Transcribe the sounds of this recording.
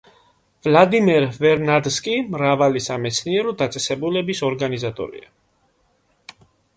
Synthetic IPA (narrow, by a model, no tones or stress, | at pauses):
vlad̪imɛɾvɛɾnad̪skʼimɾavalisamɛt̪sʰniɛɾɔd̪at̪sʼɛsɛbulɛbisɔɾɡanizat̪ʼɔ̰ɾḭa